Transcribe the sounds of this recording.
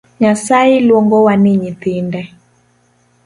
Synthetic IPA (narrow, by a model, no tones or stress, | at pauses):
ɲasailwɔŋɡɔwaniɲit̪indɛ